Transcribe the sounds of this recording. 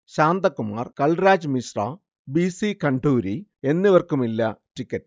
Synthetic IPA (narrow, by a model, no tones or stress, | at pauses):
ɕaːnd̪ɐkːuma̰ːrkɐɭɾaːd͡ʑmisra̰ː | bisikɐɳɖuːɾie̞nːiʋɐrkumilːɐtikʲːɐtː